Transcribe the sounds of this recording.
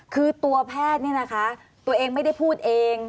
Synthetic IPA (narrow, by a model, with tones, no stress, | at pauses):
kʰɯː˧t̪u˧ɐpʰɛː˥˩t̪̚ni˥˩ɐna˦˥kʰa˦˥ | t̪u˧ɐʔeː˧ŋma˥˩jda˥˩jpʰuː˥˩t̪̚ʔeː˧ŋ